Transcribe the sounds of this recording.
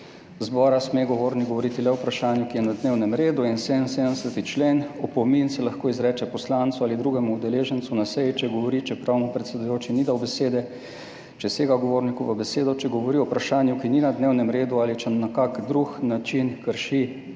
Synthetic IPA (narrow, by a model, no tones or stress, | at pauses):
zbɔːɾasmeɡɔʋoːɾniɡɡɔʋɔɾit̪ilɛɔwpɾaʃaːnjukijɛnad̪neːwnɛmɾeːd̪uinseːd̪ənseːd̪əmsət̪it͡ʃleːnɔpɔminsɛlɐxkoːizɾɛːt͡ʃɛpɔslant̪suaːlid̪ɾuːɡɛmuud̪ɛleːʒənt̪sunasɛjit͡ʃɛɡɔʋɔɾit͡ʃɛpɾawnɔpɾɛt̪sɛd̪ujoːt͡ʃinid̪awbɛseːd̪ɛ | t͡ʃɛseːɡaɡɔʋoɾnikuʋəbɛseːd̪ɔt͡ʃɛɡɔʋɔɾiɔpɾaʃaːnjukininad̪neːwnɛmɾeːd̪ualit͡ʃɛnakakd̪ɾuxnat͡ʃinkəɾʃi